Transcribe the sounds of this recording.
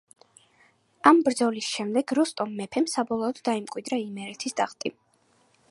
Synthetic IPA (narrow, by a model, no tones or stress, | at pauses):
ambɾd̪zɔlisʃɛmd̪ɛɡɾɔst̪ʼɔmːɛpʰɛmsabɔlˠɔːd̪ːaimkʼwid̪ɾaimɛɾɛt̪ʰisd̪aχt̪ʼi